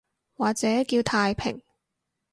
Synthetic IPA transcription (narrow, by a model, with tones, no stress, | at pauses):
waː˨˩k̚t͡sɛː˨˥kiː˧wt̪ʰaː˧jpʰɪ̰˨˩ŋ